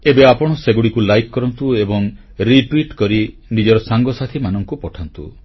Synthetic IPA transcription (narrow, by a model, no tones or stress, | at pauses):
ebeapɔɽ̃ɔseɡuɽikulajkːɔɾɔnt̪uebɔŋ | ɾiʈwiʈkɔɾinid͡ʒɔɾɔsaŋɡɔsat̪ʰimanɔŋkupɔʈʰant̪ṵ